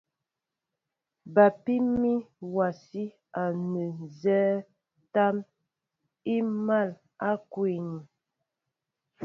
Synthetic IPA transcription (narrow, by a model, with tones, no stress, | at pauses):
ba˨pi˦mi˦wa˨si˦ | a˨nə˨zɛ˦ | ta˦m | i˦ma˦˨l | a˦kwe˨ni˨